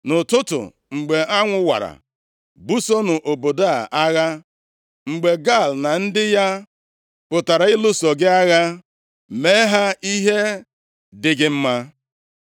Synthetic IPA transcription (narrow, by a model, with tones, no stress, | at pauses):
nʊ˨tʊ˦tʊ̰˨ | ŋ͡m̩˨ɡ͡be˨ʔa˦ŋʷʊ˦wa̰˨ɾa̰˨ | bu˦so˦nʊ˨ʔo˨bo˨da˦˨ʔa˦ɣa˦ | ŋ͡m̩˨ɡ͡be˨ɡa˦˨lna˨n̩˦dɪ˦ja˦ | pʊ˨ta˨ɾa˨ɪ˦lʊ˦so˨ɡɪ˦a˦ɣa˦ | me˦ɦa˦i˦ɦe˦ | dɪ˨ɡɪ˨m̩˦ma˦